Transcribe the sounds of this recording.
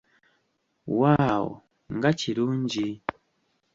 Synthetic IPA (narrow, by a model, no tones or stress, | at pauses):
wawɔ̰ | ŋɡat͡ʃiɾuɲd͡ʒi